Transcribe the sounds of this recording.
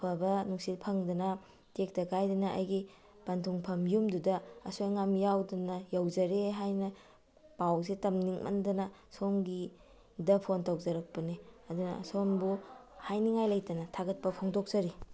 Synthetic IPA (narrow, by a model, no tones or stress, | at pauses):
pʰɐbɐnuŋsilpʰɐŋdɐnɐ | tek̚tɐkajdɐnɐʔɐ̰jɡi | pantʰuŋpʰɐmjumdudɐɐ̰sojŋamjawdɐnɐjawzɐɾeɦajnɐ | pawsitɐmniŋmʔɐ̰ndɐnɐ | soŋɡi | dɐpʰontɐwzɐɾɐk̚pɐniɐdunɐ̰sonbuhajniŋajlɐjtɐnɐtʰaɡɐt̚pɐpʰoŋdok̚z̥ɐɾi